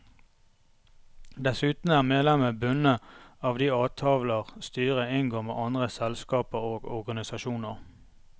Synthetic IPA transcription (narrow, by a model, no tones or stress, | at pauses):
d̪ɛsʉːt̪n̩æːʁmeːd̪lɛməbʉnəɑːʋd̪iːɑːt̪ʰɑːʋləʁst̪yːʁəɪŋɡoːmḛːʔɑnd̪ʁəsɛlskɑːpəʁoːɡɔʁɡɑnɪsɑʃuːnəʁ